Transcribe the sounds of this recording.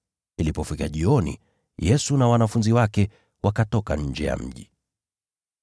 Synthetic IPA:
ilipɔfikaʄiɔnḭ | jɛsunawanafunziwakɛ | wʔakatɔkaɲ̩d͡ʒɛja̰m̩ʄi

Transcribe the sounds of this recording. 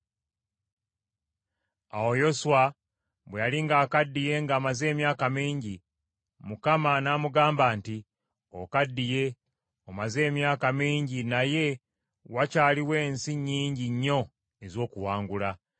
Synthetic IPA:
a̰wo̞jo̞swa | βwejaliŋɡaːkadːije̞ŋɡaːmaze̞ːmjaːkamiːɲɟi | mukamanaːmuɡaːmbaːnti | o̰kadːije̞ | omaze̞ːmjaːkamiːɲɟinaje̞ | wacaːliwe̞ːnsiɲːiːɲɟiɲːo̞ | ezo̞ːkuwaːŋɡula

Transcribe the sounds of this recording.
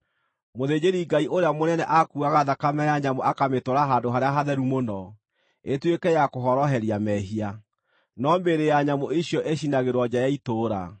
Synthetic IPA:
moðed͡ʑeɾiɡaiʔoɾeamonɛnɛʔakuaɣaðakamɛjaɲamoakametoɾaɦadoɦaɾeaɦaðɛɾumonɔ | etwekɛjakoɦɔɾɔɦɛɾiamɛɦia | nɔmbeɾejaɲamoiɕjɔʔeɕinaɣeɾwɔd͡ʑajaitoːɾa̰

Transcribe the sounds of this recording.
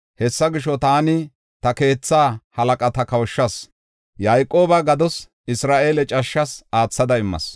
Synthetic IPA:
hɛsːɐɡɪʃɔt̪aːnɪ | t̪ɐke̞ːt͡sːaːhɐlɐkʼɐt̪ɐkɐwʃːɐs | jɐjkʼːo̞ːbɐɡɐd̪ɔs | ɪsɾaːʔe̞ːlɛt͡ʃʼɐʃːɐsaːt͡sːɐd̪ɐɪmːɐ̰s

